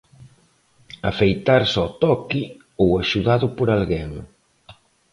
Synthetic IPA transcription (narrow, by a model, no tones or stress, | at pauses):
afejt̪aɾsɔt̪ɔki | owaʃuðaðʊpoɾalɣeŋ